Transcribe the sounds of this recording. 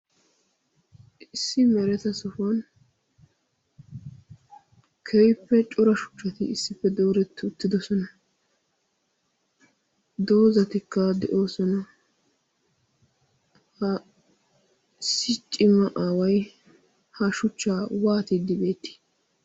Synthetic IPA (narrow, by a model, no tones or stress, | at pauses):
ɪsːɪmɛɾɛt̪ɐsʊfɐn | kʰɛjpːɛt͡ʃʼʊɾɐʃʊ̥t͡ʃːɐt̪ɪɪsːɪpːɛd̪oːɾɛt̪ːɪʊt̪ːɪd̪ɔsɔnɐ | d̪oːzɐt̪ɪkːɐd̪ɛʔo̞ːsɔnɐ | hɐ | ɪsːɪt͡ʃʼːɪmɐʔaːwɐj | hɐʃʊt͡ʃːaːwaːt̪ɪd̪ɪbe̞ːt̪ːɪ̥